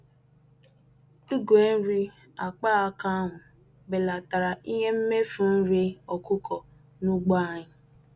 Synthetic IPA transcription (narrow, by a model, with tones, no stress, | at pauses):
i˦ɡʷe˨˦n̩˦ɾi˦ | a˨k͡pa˦a˨ka˦a˦ɦʊ˨ | be˨la˨ta˨ɾa˨i˦ɦe˦m̩˦me˦fu˨˦n̩˦ɾi˦ɔ˨kʊ˦kʰɔ˨ | nu˦ɡ͡ba˦˨ɲɪ˨